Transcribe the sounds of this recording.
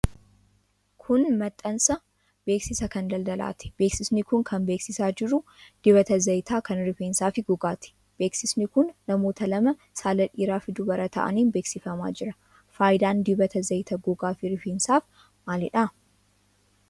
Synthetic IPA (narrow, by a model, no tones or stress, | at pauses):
kʰʊnmɐt̪ʼːɐnsɐ | b̥e̞ːksɪsɐkɐnd̪ɐld̪ɐla̰ːt̪ɪ̥b̥e̞ːksɪsnɪkʊŋkʰɐnbeːksɪsaːd͡ʒɪɾʊ | d̪̥ɪβɐt̪ɐzɐjt̪aːkɐnɾɪfeːnsaːfɪɡʊɡaːt̪ɪ̥ | b̥e̞ːksɪsnɪkʊnːɐmo̞ːt̪ɐlɐmɐ | saːlɐᶑiːɾaːfɪd̪ʊbɐɾɐt̪ɐ̰ʔɐ̰niːnbe̞ːksɪfɐma̰ːd͡ʒɪɾɐ | faːjd̪aːnd̪ɪbɐt̪ɐzɐjt̪ɐɡʊɡaːfɪɾɪfeːnsaːf | maːlɪᶑa